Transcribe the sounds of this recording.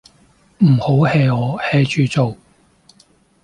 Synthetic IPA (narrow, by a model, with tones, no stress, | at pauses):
m̩˨˩ho˨˥whɛː˧jɔː˨˧hɛː˧t͡ʃʰyː˧t͡so˨w